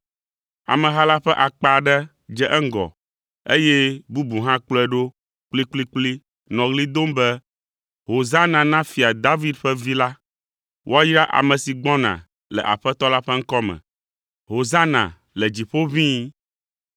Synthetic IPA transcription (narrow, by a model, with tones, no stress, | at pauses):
a̰˨mɛ̃˨ɦa˦la˦ɸɛ˦ʔa˨k͡pa˨ɖɛ˦ | d͡ʒɛ˦ʔɛ˦ŋ̩˦ɡɔ̰˨ | e˦jɛ˦bu˦bu˨ɦã˦k͡plɔ˦ɛ˦˨ɖo˦ | k͡pli˦k͡pli˦k͡pli˦ | nɔ̃˨ɣli˦d̪o˦mbɛ˦ | ɦo˨za˦nã˨nã˦fi˨a˨d̪a˦vi˦d̪ɸɛ˦vi˦la˦ | wʔo˦a˦jɾa˦ʔa̰˨mɛ̃˨si˨ɡ͡bɔ̃˦nã̰˨ | lɛ̰˨ʔa̰˨ɸɛ˦t̪ɔ˦la˦ɸɛ˦ŋ̩˦kɔ˦mɛ̰̃˨ | ɦo˨za˦nã̰˨ | lɛ˨d͡ʑi˨ɸo˦vĩ˦